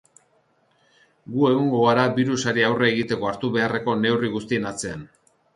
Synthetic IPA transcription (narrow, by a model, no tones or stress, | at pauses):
ɡue̞ɣ̞oŋɡo̞aɾabiɾusaɾiawre̞ːɣ̞it̪e̞ko̞aɾt̪uβe̞are̞ko̞ne̞wriɣust̪ie̞nat͡se̞an